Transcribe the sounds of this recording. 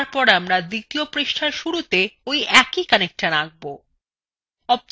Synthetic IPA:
ɾpɔɾamɾad̪it̪iopɾeʃʈʰaɾʃuɾut̪eojɛkikanek̚ʈanaɡ̚bo | ɔb̚

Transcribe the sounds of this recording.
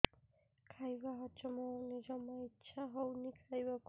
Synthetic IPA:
kʰajbaɦɔt͡ʃɔmɔnid͡ʒɔmɔitːʃʰaɦownikʰajbak

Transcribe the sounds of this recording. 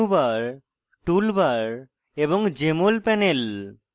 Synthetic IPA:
ubaɹ | ʈulbaɹ | ebɔŋd͡ʑemolpɛnel

